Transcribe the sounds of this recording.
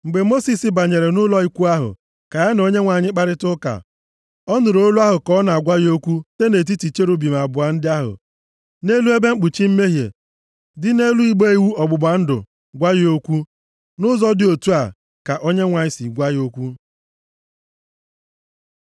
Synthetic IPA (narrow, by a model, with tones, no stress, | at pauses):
ŋ͡m̩˨ɡ͡be˨mo˦si˨sɪ˨ba˨ɲe˨ɾe˨nʊ˦lɔ˦i˦kʷu˦a˦ɦʊ̰˨ | ka˨ja˦no˦ɲe˦ŋʷa˨ɲɪ˦k͡pa˨ɾɪ˦tʊ˦ka̰˨ | ɔ˦nʊ˨ɾo˦lu˦a˦ɦʊ˨kɔ˦na˨a˨ɡʷa˦jo˦kʷu˦te˦ne˨t̬i˦ti˨t͡ʃe˦ɾu˦bi˨ma˨bʊ˨a˨n̩˦dɪ˦a˦ɦʊ̰˨ | ne˦lu˦e˦be˦ŋ͡m̩˦k͡pu˨t͡ʃi˦m̩˦me˦ɦjḛ˨ | dɪ˦ne˦lu˦i˦ɡ͡be˦i˨wu˦ɔ˨ɡ͡bʊ˨ɡ͡ba˨n̩˦dʊ̰˨ | ɡʷa˦ji˦o˦kʷu˦ | nʊ˦zɔ˦dɪ˨o˨tu˦a˨ | ka˨ʔo˦ɲe˦ŋʷa˨ɲɪ˦si˨ɡʷa˦jo˦kʷu˦